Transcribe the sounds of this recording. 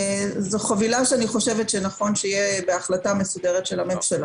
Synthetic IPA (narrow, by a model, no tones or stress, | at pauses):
zoχavilaʃeaniχo̞ʃe̞vetʃenaχo̞nʃeijebeaχlatamesudeʁ̞etʃelamemʃala